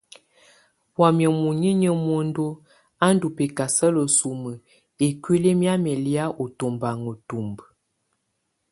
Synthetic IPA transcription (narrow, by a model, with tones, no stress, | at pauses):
wa˨mjə˨mu˨ɲi˦ɲə˦mwo˦n˦do˦ | a˦n̩˦du˨pe˨ka˨sə˦lə˨su˨mə˨ | e˨kwi˦le˦mja˦mɛ˨lja˦ʔo˨to˨mba˨ŋə˨tu˨mb